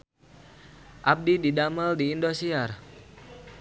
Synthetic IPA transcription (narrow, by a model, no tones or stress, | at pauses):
ʔab̚dididaməldiːndosiar